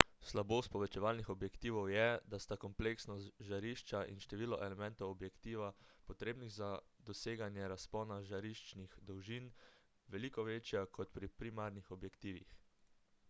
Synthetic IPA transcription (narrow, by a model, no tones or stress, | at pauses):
slaboːst̪pɔʋɛt͡ʃɛʋaːlnixɔbjɛkt̪iːʋɔwjɛd̪ast̪akɔmpleksnɔsʒaɾiʃt͡ʃaʔḭnʃt̪ɛʋiːlɔʔɛlɛmɛ̃nt̪ɔwɔbjɛkt̪iːʋapɔt̪ɾeːbniɣzad̪ɔseːɡanjɛɾaspɔːnaʒaɾiʃt͡ʃnixd̪ɔwʒin | ʋɛliːkɔʋeːt͡ʃjakʰɔt̪pɾipɾimaɾnixɔbjɛkt̪iːʋḭx